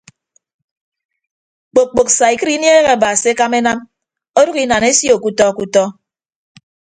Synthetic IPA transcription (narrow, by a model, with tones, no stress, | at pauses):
k͡po˨k͡po˨k̚sa˨i˨kɨ˦ɾi˦nje˦ɣe˨a˨ba˨si˨e˦ka˦me˦na˦m | o˦du˦ɣi˦˨na˨ne˦sjo˨ku˦tɔ˦˨ku˦tɔ˦